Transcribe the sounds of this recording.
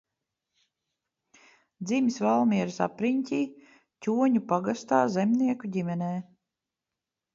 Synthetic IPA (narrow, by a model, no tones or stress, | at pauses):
d̪zimisvalˠmiɛɾsa̰pɾiɲʲcʲiː | cʲuɔɲupaɡast̪aːzemniɛkuɟʲimɛnɛː